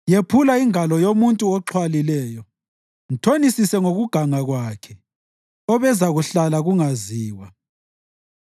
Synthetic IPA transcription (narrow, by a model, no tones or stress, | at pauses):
jepʰulaiŋalɔjomuntʼuɔǁʰwalilɛːjɔ | n̩tʰonisisɛŋoɣuɡ̥ʱaŋaɣwaːkʰɛ | ɔβɛzaɣuɬalaɣuŋaziːwa